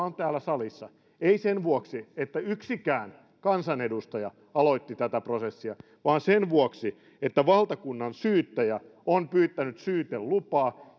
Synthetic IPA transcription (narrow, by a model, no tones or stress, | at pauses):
ont̪æːlːˑæsɑlisːɑ | eisenʋuoksiet̪ːæyksikæːn | kɑnsɑnedust̪ɑjɑ | ɑloit̪ːit̪æt̪æprosesːiɑ | ʋɑːnsenʋuoksi | et̪ːæʋɑlt̪ɑkunːɑnsyːt̪ːæjæ | onpyːt̪ːænyt̪syːt̪ellupɑː